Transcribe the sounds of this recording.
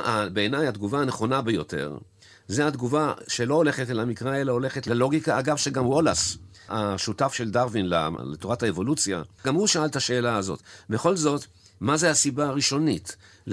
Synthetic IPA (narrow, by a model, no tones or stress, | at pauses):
abe̞ːnajad̪ɡuvaaneχo̞nabejo̞te̞̰ʁ | zead̪ɡuvaʃe̞lo̞ole̞χetleamikʁae̞lao̞le̞χetlalo̞ɡikaːɡavʃeɡamwo̞las | aʃutafʃeldaʁvinla̰letoʁathaevo̞lut͡sja̰ɡamuʃaaltaʃe̞ːlaːzo̞̰tbe̞χo̞lzo̞t | mazehasibaʁiʃo̞nit | l